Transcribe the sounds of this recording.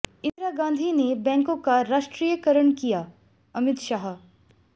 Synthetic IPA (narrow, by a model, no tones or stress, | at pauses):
ɪ̃nd̪ɾaːɡãːnd̪ʱinebɛ̃ːŋkõkaɾaːʃʈɾiːjəkəɾəɳ̃kija | ɐmɪt̪ʃaːɦ